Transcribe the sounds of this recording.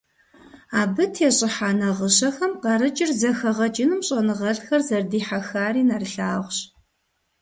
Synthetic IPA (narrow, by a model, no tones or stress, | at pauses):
aːbɨtʰeːɕʼɪħaːnɐʁəɕɐxɐmqɐɾɨt͡ʃʼɪrzɐxɐʁɐt͡ʃʼɪnɨmɕʼɐnɨʁɐɮxɐrzɐrdiːħaxaːriːnɐrɬaːʁʷɕ